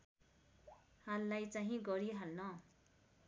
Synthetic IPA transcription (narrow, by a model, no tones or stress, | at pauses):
halːajt͡saɦĩɡʌɾiɦalnʌ